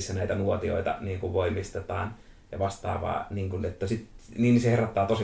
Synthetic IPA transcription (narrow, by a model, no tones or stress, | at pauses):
sːænæit̪ænuot̪io̰it̪ɑ̰niːŋkuʋʋoimist̪et̪ɑːn | jɑ̰ʋɑst̪ɑ̰ːʋɑ̰ːniːŋkunet̪ːæsit̪niːniseherɑt̪ːɑːt̪osi